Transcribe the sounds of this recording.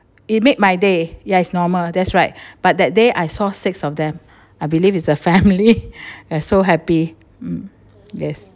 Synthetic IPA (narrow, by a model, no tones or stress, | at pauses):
it̚met̚majdejaɪtsnɔməldɛtsɹaɪt̚b̥at̚dɛt̚deʔajsɔsɪksɔfdɛ̃m | ajbilivitsəfɛ̃mliasoɦɛpi | jɛs